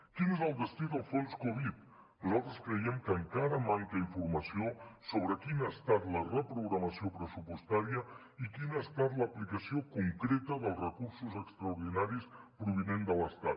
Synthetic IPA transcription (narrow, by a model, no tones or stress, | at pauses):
kinezəlˠd̪əst̪iðəlˠfonskoβ̞it̪ | nuzalˠt̪ɾəskɾəiɛmkəŋkaɾəmaŋkəiɱfuɾməsiosoβ̞ɾəkinəːst̪at̪lərəpɾuɣɾəməsiopɾəsupust̪aɾiə | ikinəːst̪at̪ləːplikəsiokuŋkɾet̪əðəlˠzrəkuɾsuzəkst̪ɾəuɾð̞inaɾispɾuβ̞inend̪ələst̪at̪̚